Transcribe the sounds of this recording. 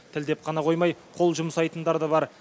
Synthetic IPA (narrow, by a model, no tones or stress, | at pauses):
t̪ʰɪld̪e̞p̚qʰɑnɑqʰo̞jmɑjqʰo̞lˠʒʊməsɑjt̪ənd̪ɑɾd̪əβɑɾ